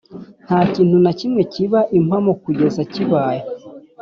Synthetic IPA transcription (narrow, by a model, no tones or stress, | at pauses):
n̥haːciːnhunacimŋe̞ciβaʔimamokuɟe̞zaciβaːje